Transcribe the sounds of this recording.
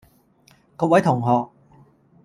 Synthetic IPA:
kɔː˧t̚wɐ˨˥jt̪ʰʊ˨˩ŋɦɔː˨k̚

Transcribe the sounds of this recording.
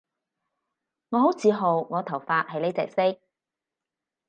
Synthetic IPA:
ŋɔː˨˧ɦo˨˥wt͡siː˨˧ɦo˨wŋɔː˨˧t̪ʰɐ˨˩wfaː˧˥t̚hɐ˨˧jle˨˥jt͡sɛ̰ː˨˩k̚sɪ˥k̚

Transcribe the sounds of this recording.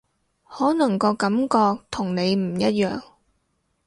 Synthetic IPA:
hɔː˨˥nɐ˨˩ŋkɔː˧kɐ˨˥mkɔː˧k̚t̪ʰʊ˨˩ŋne˨˧jm̩˨˩jɐ˦˥t̚jœ̰ː˨ŋ

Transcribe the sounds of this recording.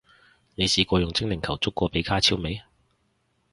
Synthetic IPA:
ne˨˧jsiː˨˧kʷɔː˧jʊ˨˩ŋt͡sɪ˥ŋlɪ˨˩ŋkʰɐ˨˩wt͡sʊ˥kːʷɔː˧pe˨˥jkʰaː˥t͡sʰiː˥wme˨˧j

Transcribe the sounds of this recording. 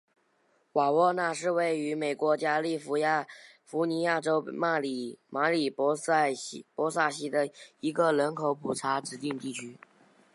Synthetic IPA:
wa˨˩wɔ˥˧na˥˩˧ʂ̬ɻ̩˥˧we˥˩ɪy˧˥me˨˩ɪkwɔ˧˥t͡ɕja˥li˥˩fu˧˥ja˥˩ | fu˧˥ni˧˥ja˥˩ʈ͡ʂo˥ʊma˥˩lma˧˥li˨˩˥pwɔ˧˥sa˥˩ɕi˥d̪ə˨i˧˥ɡə˧lə˧˥nkʰo˧˥ʊpʰu˨˩ʈ͡ʂʰa˧˥ʈ͡ʂɻ̩˧˥t̪i˥˧ŋt̪i˥˩t͡ɕʰy˥

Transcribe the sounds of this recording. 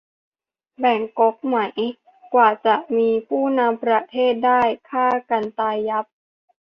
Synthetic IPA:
bɛ˨˩ŋko˦˥k̚ma˩˦j | kwaː˨˩t͡ɕa˨˩ʔmiː˧pʰuː˥˩na˧mpɾa˧t̪ʰeː˥˩t̪̚daː˥˩jkʰaː˥˩ka˧nt̪aː˧jːa˦˥p̚

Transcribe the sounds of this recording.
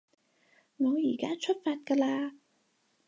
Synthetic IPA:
ŋɔː˨˧jiː˨˩kaː˥t͡ʃʰɵ˥t̚faː˧t̚kaː˧laː˧

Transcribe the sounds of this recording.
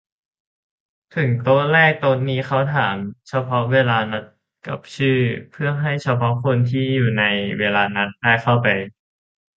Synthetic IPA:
t̪ʰɯ˨˩˦ŋt̪u˧lɛː˥˩k̚t̪oː˧nːiː˦˥xa˥˩wt̪ʰaː˩˦mt͡ɕʰa˧pʰɔ˦˥weː˧laː˧na˦˥t̪̚ | ka˨˩p̚t͡ɕʰɯː˥˩pʰɯ˥˩ɐɦa˥˩jt͡ɕʰa˧pʰɔ˦˥kʰo˧nt̪ʰiː˥˩juː˨˩na˧jweː˧laː˧na˦˥t̪̚daː˥˩jxʰa˥˩wpa˧j

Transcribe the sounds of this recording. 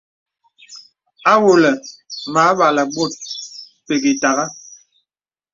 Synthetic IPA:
a˦wo˨lɛ˨ma˨˦ɓa˨lə˨ɡ͡bo˦˨t̚ | pe˨ɡi˨ta˨ɣa˦

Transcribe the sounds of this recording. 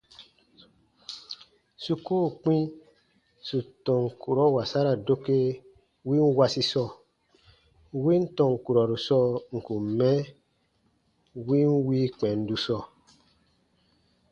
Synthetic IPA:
su˧ko˦˨k͡pĩ˦ | su˨tɔ̃˨ŋ˨ku˨ɾɔ˦wa˨sa˦ɾa˨do˦ke˧ | wi˦n̩˦wa˧si˧sɔ˧˨ | wi˦n̩˦tɔ̃˧˨ŋ̩˨ku˨ɾɔ˨ɾu˨sɔ˧ŋ̩˨ku˨mɛ̃˦ | wi˦n̩˦wiː˦k͡pɛ̃˨n̩˦du˧sɔ˧˨

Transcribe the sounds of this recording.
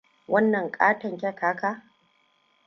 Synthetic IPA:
wɐ˦nːɐ˨ŋkʼaː˦tɐ˨ŋkʲɐ˦kaː˦kaː˦

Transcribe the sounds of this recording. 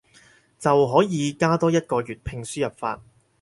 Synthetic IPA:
t͡sɐ˨wɦɔː˨˥jiː˨˧kaː˥t̪ɔː˥jɐ˥t̚kɔː˧jyː˨t̚pʰɪ˧ŋsyː˥jɐ˨˩p̚fa̰ː˧t̚

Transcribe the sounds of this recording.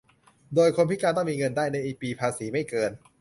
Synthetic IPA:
doː˧jkʰo˧npi˦˥kaː˧nt̪ɔ˥˩miː˧ŋɤ˧ndaː˥˩jna˧jʔiː˨˩k̚piː˧pʰaː˧siː˩˦ma˥˩jkɤː˧n

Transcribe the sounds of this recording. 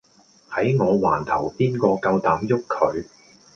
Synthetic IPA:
hɐ˨˥jŋɔː˨˧waː˨˩nt̪ʰɐ˨˩wpiː˥nkɔː˧kɐ˧wt̪aː˨˥mjʊ˥kʰːɵ˨˧ɥ

